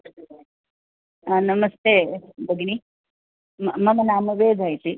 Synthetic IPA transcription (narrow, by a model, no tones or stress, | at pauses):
anɐmɐst̪eːbɐɡni | mmɐmɐnaːmɐʋeːd͡ʒʱaːjt̪i